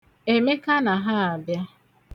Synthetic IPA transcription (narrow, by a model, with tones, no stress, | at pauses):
e˨me˦ka˦na˨ɦa˦a˨bja˦